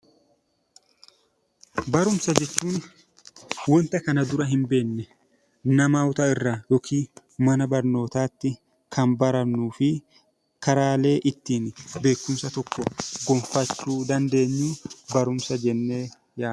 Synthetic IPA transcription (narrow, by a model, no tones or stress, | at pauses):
bɐɾʊmsɐd͡ʒɛt͡ʃːuːn | wɔnt̪ɐkɐnɐd̪ʊɾɐɦɪmbe̞ːnːɛ | nɐmaːwʊt̪aːɪrːajɔkʰiː | mɐnɐbɐɾno̞ːt̪aːt̪ːɪ | kʰɐnbɐɾɐnːuːfɪ | kɐɾaːle̞ːʔɪt̪ːiːnbe̞ːkːʊmsɐt̪ɔkːɔɡɔmfɐt͡ʃːuːd̪ɐnd̪e̞ːɲːuːbɐɾʊmsɐd͡ʒɛnːe̞ː | jaː